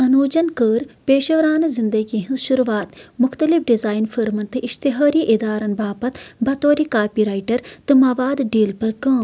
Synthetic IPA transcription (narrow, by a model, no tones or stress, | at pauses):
ɐnuːd͡ʒɐnkəːɾpeːʃɐʋɾaːnɨzɪnd̪ɐɡiɦĩnzʃʊɾuʋaːt̪mʊxt̪ɐlifɖizaːjnfʰəɾmɐnt̪ɨʔɪʃt̪ɪɦaːɾiʔɪd̪aːɾɐnbaːpɐt̪bɐt̪oːɾikaːpiːɾaːjʈɐɾt̪ɨmɐʋaːd̪ɖiːlpɐɾkɐ̃ː